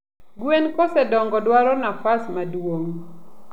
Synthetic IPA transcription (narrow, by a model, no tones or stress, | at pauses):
ɡwenkɔsɛdɔŋɡɔdwaɾɔnafasmadwoŋ